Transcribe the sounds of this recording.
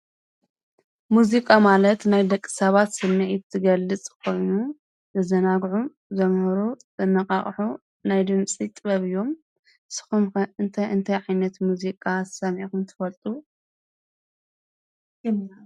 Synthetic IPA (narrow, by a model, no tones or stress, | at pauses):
muzikʼamalɐt̪najd̪ɐkʼːɨ̥sɐβat̪sɨnːɐʔit̪ʰɨɡɐlːɨt͡sʼkʰo̞jnu | zɐzɐnaɡʕu | zɐmhɨɾuzɨnːɐkʼa̰χʼħu | najd̪ɨmt͡sʼit̪ʼɨβɐβɨjːo̞m | sɨ̥xumkɨnt̪ʰɐɨnt̪ʰɐjʕajnɐt̪muzikʼasɐmʕixunt̪ʰɨfɐlt̪ʼu